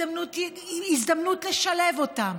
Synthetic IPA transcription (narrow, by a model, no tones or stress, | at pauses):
amnut | izd̪amnutleʃalevotam